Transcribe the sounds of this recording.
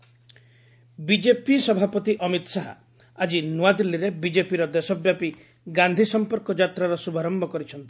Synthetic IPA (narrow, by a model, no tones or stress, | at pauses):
bid͡ʒepisɔbʱapɔt̪iʔɔmit̪ɔsaɦa̰ | ad͡ʒinuad̪ilːiɾebid͡ʒepiɾɔd̪esɔbjapi | ɡand̪ʱisɔmpɔɾkɔd͡ʒat̪ɾaɾɔsubʱaɾɔmbʱɔkɔɾit͡ʃʰɔnt̪i̥